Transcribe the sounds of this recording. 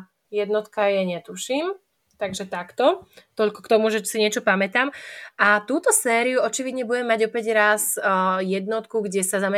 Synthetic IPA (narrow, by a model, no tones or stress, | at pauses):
jɛd̪nɔt̪kajɛɲɛt̪uʃim | t̪aɡʒɛt̪akt̪ɔt̪ɔʎkɔ̥kt̪ɔmuʒɛsiɲɪɛt͡ʃɔpamɛt̪aːmʔat̪uːt̪ɔsɛːɾijuɔt͡ʃiʋid̪ɲɛbuɟɛmːaɟɔpɛɟɾazjɛd̪nɔt̪kuɡɟɛsazamɛ